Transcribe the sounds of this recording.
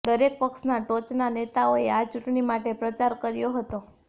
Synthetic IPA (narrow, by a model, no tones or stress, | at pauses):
d̪əɾek̚pəksnaʈot͡ʃnanet̪aoeat͡ʃuʈɳimaʈepɾət͡ʃaɾkəɾjoɦət̪o